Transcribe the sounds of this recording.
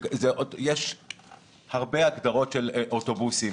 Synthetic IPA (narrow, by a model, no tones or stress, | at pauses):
zeʔojeʃ | haʁbeaɡd̪aʁo̞tʃelʔoto̞busi